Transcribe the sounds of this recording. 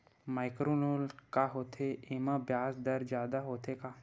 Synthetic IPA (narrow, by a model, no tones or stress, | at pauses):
maːɪkɾoːnoːlkaɦoːt̪ʰeʔɪmə̃bjaːsd̪əɾd͡ʒjaːd̪aɦoːt̪ʰekaː